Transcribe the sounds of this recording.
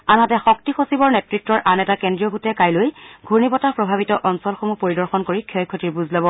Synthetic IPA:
anatɛxɔk̚tixosibɔɹnɛtɹitːɹɔɹʔanɛtakɛndɹijɔɡʱutɛkajlojɡʱuɹnibɔtapɹɔbʱabitɔʔɔnsɔlxomupoɹidɔɹxɔnkoɹikʰiɔjkʰːotiɹbuzlɔbɔ

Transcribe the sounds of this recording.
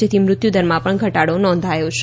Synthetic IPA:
et̪ʰimɾʊt̪jud̪əɾmãpəɳɡʱəʈaɽonɔ̃nd̪ʱajot͡ʃʰ

